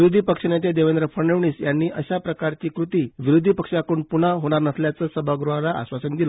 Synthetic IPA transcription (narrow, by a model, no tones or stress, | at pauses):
ʋiɾod̪ʱipəkʂənet̪ed̪eʋend̪ɾəfʰəɾɳeʋɳiːsjanːiːʔəɕapɾəkaɾt͡ɕiːkɾut̪iːʋiɾod̪ʱipəkʂjakuːɳpuɳ̤aɦoɽ̃aɾnəsljat͡səːsəbʱaɡɾuɦalaa̰sʋasənd̪ilə